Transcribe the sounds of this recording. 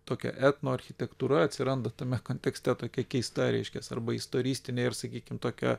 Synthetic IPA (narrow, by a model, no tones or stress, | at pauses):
t̪oːkʲɛ̰ʔæːt̪noːɐɾʲxʲɪt̪ʲɛkt̪uːɾɐɐt̪ʲsʲɪɾɐnd̪ɐt̪ɐmʲɛkoːnʲt̪ʲɛksʲt̪ʲɛt̪oːkʲɛkʲɛɪst̪ɐɾʲɛ̰ɪʃʲkʲɛsɐ̰rbɐɪst̪oːɾʲiːsʲt̪ʲɪnʲeːɪrsɐkʲiːkʲɪmt̪oːkʲɛ̰